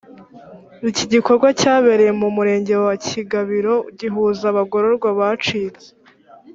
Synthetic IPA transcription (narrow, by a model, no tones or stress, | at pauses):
iciɟiko̞ɾɡwacaːβe̞ɾejemumuɾe̞ːɲɟe̞waciɡaβiɾo̞ɟiɦuzaβaɡo̞ɾo̞ɾɡwaβat͡ʃiːze̥